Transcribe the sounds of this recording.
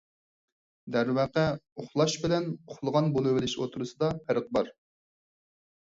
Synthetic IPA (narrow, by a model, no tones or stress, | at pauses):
d̪æɾwæqɛoχlˠɑʃbɪlɛnoχlˠəʁɑnbolˠɨwɪlɪʃo̰t̪ʰɾɨsɨd̪ɑpʰæɾəq̚bɑɾ